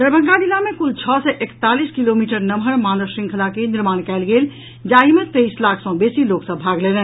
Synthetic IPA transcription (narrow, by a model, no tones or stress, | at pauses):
d̪əɾbʱə̃ŋɡad̪ilamẽkult͡ʃʰɔsɛʔekt̪aliskilomiʈəɾnəmɦəɾmanəsɾĩŋkʰəlakeniɾmaːñkɛɪlɡeːl | d͡ʒaimẽt̪eislakʰsɔ̃besiloksə̃bʱaɡlelɛ